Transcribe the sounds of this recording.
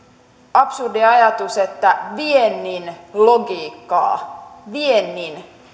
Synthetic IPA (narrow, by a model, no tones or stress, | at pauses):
ɑpsurdiɑjɑt̪uset̪ːæʋienːinloɡiːkːɑ̰ːʋienːin